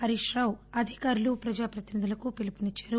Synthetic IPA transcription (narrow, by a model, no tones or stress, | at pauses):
ɐɾiʂɾɐwɐd̪ʱikaːɾulupɾɐd͡ʒaːpɾɐt̪inid̪ulɐkupilipunit͡ʃːḁːɾu